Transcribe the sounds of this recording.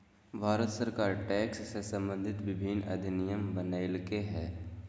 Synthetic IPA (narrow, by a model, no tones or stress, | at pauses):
bʱaːɾət̪səɾkaːɾʈɛːksːesɐ̃mbə̃nd̪ʱɪt̪ʋɪbʱɪnɐ̰d̪ʱɪnɪjəmbənaːɪlkeɦɛː